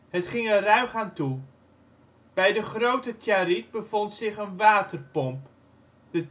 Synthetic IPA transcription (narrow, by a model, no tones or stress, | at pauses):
ɦətχɪŋərœɥχaːntu | b̥ɛjdəχrowtətʰjaɾit̚bəvɔntsɪχənʋaːtərpɔmp | də